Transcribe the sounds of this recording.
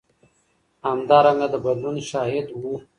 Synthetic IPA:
hamd̪ɑːɾaŋɡad̪əbɐd̪lunʃɑːɦɪd̪wu

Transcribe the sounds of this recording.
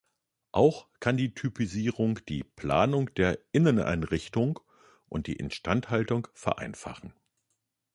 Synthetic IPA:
ʔaʊxkʰandiːtʰypʰiziːʁʊŋd̥iːpl̥a̰ːnʊŋd̥eːɐʔɪnənʔa̰ɪnʁɪçtʊŋ | ʔʊnt̚d̥ḭːʔɛ̰ntʃtanthaltʊŋfɛɐ̰ʔa̰ɪnfa̰χn̩

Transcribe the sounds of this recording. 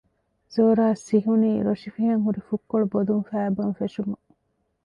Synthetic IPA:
zoːɾaːsiɦuniːɾoʃifiɦɐŋɦuɾifukːoɭubod̪unfæːbɐnfeʃumu

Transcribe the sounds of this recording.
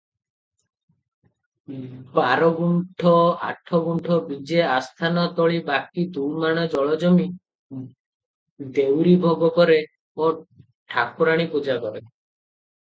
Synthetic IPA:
baɾɔɡuɳʈʰɔa̰ʈʰɔɡuɳʈʰɔbid͡ʒeast̪ʰanɔt̪ɔɭibak̚id̪umaɽ̃ɔd͡ʒɔɭɔd͡ʒɔmi | d̪ewɾibʱɔɡɔkɔɾe | o | ʈʰakuɾaɽ̃ipud͡ʒakɔɾe

